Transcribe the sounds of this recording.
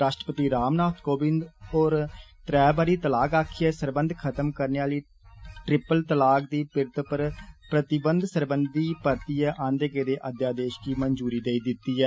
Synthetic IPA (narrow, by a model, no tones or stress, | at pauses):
ɾaːʃʈɾə̥pət̪iːɾaːmnaːt̪ʰkoːbɪnd̪oːɾt̪ɾɛːbaːɾiːt̪əlaːkaːkʰːiɛːsəɾbə̃nd̪ʱkʰət̪əmkəɾneːaːliː | ʈɾɪpəlt̪əlaːkd̪iːpɪɾt̪pəɾpɾət̪ɪbənd̪səɾbənd̪iːpəɾt̪iːɛːʔãːnd̪eːkeɾeːʔəd̪jaːd̪eːʃkiːmənd͡ʒuːɾiːd̪eːiːd̪ɪt̪ːiːɛː